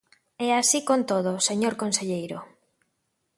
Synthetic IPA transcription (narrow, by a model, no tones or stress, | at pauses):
ɛasikont̪oð̞oseɲoɾkonseʎejɾo